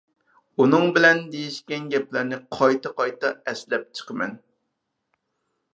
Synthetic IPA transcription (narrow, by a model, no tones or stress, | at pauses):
unɨŋbɪlɛnd̪ejiʃkʲɛnɡʲɛplæɾnɪqʰɑjt̪ʰɑqɑjt̪ɑɛslɛp̚t͡ʃʰə̥qʰəmɛ̰n